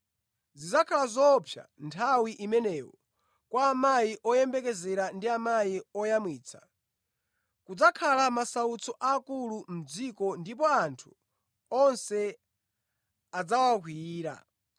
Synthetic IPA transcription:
zizakʰalazɔpʰja̰ntʰawiʔimɛnɛːwɔ | kwaːmajiʔɔjɛmbɛk̬ɛzɛɾandiamajiɔjamwiːt͡sʰḁ | kud͡zakʰalamasaut͡sɔʔakulum̩d͡zikɔndip̬ɔantʰu̥ | ɔnsɛ | ad͡zawak̬wiːɾa̰

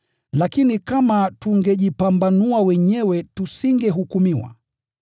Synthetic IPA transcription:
lakinikamatuŋɡɛʄipambanuawɛɲɛwɛtusiŋɡɛɦukumiwa̰

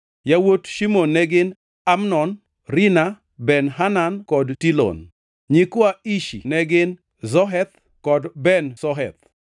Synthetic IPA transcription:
jawotʃimonːɛɡɪn | amnɔn | rina | bɛnɦanankɔdtilɔ̰n | ɲikwaiʃḭnɛɡɪn | zɔɦɛt̪̚ | kɔdbɛnsɔɦɛt̪̚

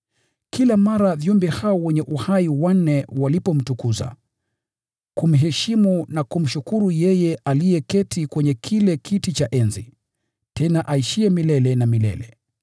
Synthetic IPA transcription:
kʰilamaɾavjɔmbɛhaɔwɛɲɛʔuhaiwan̩ɛwalipɔm̩tukuza̰ | kum̩ɦɛʃimunakum̩ʃukuɾujɛjɛʔalijɛkɛtikwɛɲɛkʰilɛkʰitit͡ʃaʔɛnzi | tɛnaʔaiʃiɛmilɛlɛnamilɛ̰lɛ

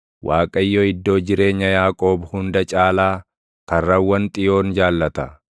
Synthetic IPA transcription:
wʔaːkʼɐjːoɪd̪ːo̞ːd͡ʒɪɾe̞ːɲːɐjaːkʼo̞ːbhʊnd̪ɐt͡ʃʼaːlaː | kɐrːɐwːɐnt̪ʼɪjo̞ːnd͡ʒaːlːɐt̪ɐ

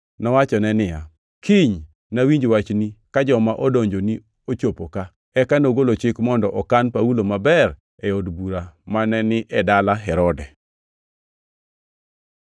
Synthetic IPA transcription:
nɔwat͡ʃɔnɛnɪja | kʰiɲ | nawiɲd͡ʒwat͡ʃnikad͡ʒɔmaʔɔdoɲd͡ʒoni | ot͡ʃopoka | ɛkanoɡolot͡ʃɪkmɔndɔʔɔkanpaulomabɛr | ɛodbuɾamanɛnɪʔɛdalaɦɛɾɔdɛ

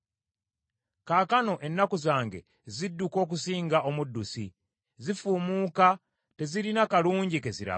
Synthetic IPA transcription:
kaːkano̞ʔe̞nːakuzaːŋɡe̞̰ | zidːuko̞ːk̬usiːŋɡaʔo̞mudːusi | zifuːmuːka | te̞ziɾinakaluːɲɟikeziɾa̰

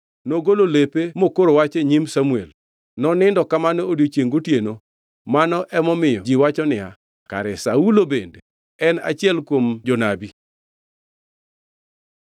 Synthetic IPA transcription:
noɡololepemokoɾowat͡ʃeɲimsamuel | nɔnɪndɔkamanɔodjot͡ʃjeŋɡotjeno | manɔʔɛmɔmɪjɔd͡ʒiwat͡ʃɔnɪa | ka̰ɾɛsaulobende | ɛna̰t͡ʃɪɛlkwomd͡ʒɔnabi

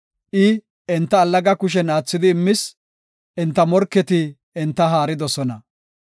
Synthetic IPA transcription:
ʔɪ | ɛnt̪ːɐːlːɐɡɐkʊʃ̬ɛnaːt͡sːɪd̪ɪːmːɪs | ʔɛnt̪ːɐmɔɾkːɛt̪ɪ | ɛnt̪ːɐɦaːɾɪd̪ɔsɔnɐ

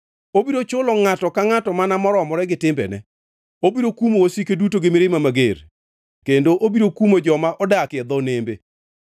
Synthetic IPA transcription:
obiɾot͡ʃʊlɔŋatɔkaŋatɔmanamɔɾɔmɔɾɛɡɪtɪmbɛ̰nɛ̰ | obiɾokumoosikedutoɡɪmeɾemamaɡeɾ | kendoʔobiɾokumod͡ʒɔmaʔɔdakɪɛd̪ɔnembe

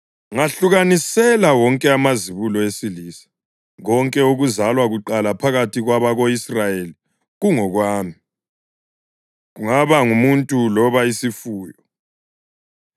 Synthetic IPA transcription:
ŋaɬuɣanisɛlawɔŋkʼɛamaziβulɔesiliːsḁ | ɣɔŋkʼɛuɣuzalwaɣuǃalapʰaɣatʰiɣwaβaɣoisrajeli | ɣuŋɔɣwaːmi | ɣuŋaβaŋumuntʼulɔβaisifuːjɔ

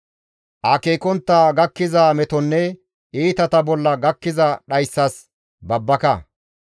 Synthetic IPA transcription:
ʔaːkeːkɔnt̪ːaːɡɐkːɪzaːmɛt̪ɔnːɛ | ʔiːt̪ɐt̪ɐbɔlːɐɡɐkːɪzɐɗɐjsːɐs | bɐbːɐkɐ

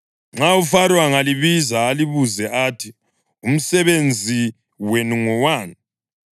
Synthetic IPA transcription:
ŋ͡ǁaufaɾwaŋaliβizaːliβuzɛʔatʰi | um̩sɛβend͡zʱi | wenuŋɔwaːni

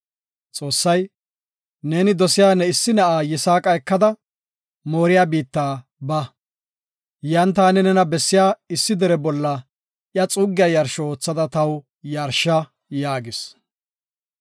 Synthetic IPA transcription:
t͡sʼo̞ːsːɐj | ne̞ːnɪd̪ɔsɪjaːnɛɪsːɪnɐʔaːjɛsaːkʼɐjɛkːɐd̪ɐ | mo̞ːɾɪjaːbiːt̪ːaː | bɐ | jɐnt̪̬aːnɛnɛnɐbɛsːɪjaːɪsːɪd̪ɛɾɛbɔlːɐ | ʔjɐt͡sʼʊɡːɪjajɐɾʃɔo̞ːt͡sːɐd̪ɐt̪ɐw | jɐɾʃːɐ | jaːɡɪs

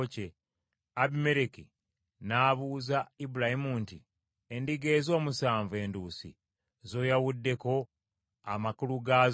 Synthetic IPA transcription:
ce | aβime̞ɾeki | naːβuːzaibulahimunti | endiɡe̞ːzo̞ːmusaːɱvue̞ːnduːsḭ | zo̞ːjawudːe̞ko̞ | amakuluɡaːz

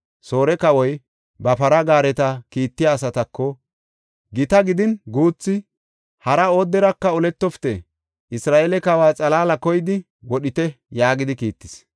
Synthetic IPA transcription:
so̞ːɾɛkɐwɔj | bɐpɐɾɐɡaːɾɛt̪ɐkiːt̪ːɪjaːs̬ɐt̪ɐkːɔ | ɡɪt̪ɐɡɪd̪ɪnɡuːt͡sːɪ | hɐɾɐoːd̪ːɛɾɐkːɐɔlɛt̪ːɔfɪ̥t̪ɛ | ʔɪsɾaːʔeːlɛkɐwaːt͡sʼɐlaːlɐkɔjɪd̪ɪ | wɔɗɪt̪ɛ | jaːɡɪd̪ɪkiːt̪ːɪ̥s

